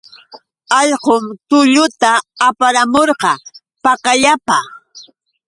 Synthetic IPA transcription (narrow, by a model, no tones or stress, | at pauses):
ɑʎqʊmt̪ʊʎʊt̪aːpaɾamoɾqɑ | pɑkaʎapa